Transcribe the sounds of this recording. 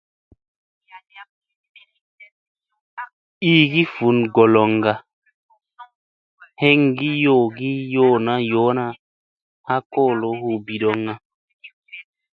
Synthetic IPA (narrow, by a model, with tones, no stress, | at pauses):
iː˦ɡi˦fu˨˦nɡɔ˨lɔ˨ŋɡa˨ | he˦ŋɡi˦joː˦˨ɡi˦joː˦˨na˦joː˨˦na˦ | ha˦kɔː˦˨lo˨˦hu˨bi˨ɗɔ˨ŋna˨